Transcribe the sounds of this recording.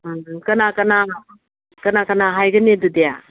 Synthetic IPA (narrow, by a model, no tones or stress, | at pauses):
kɐnakɐna | kɐnakɐnaɦajɡɐnedudeja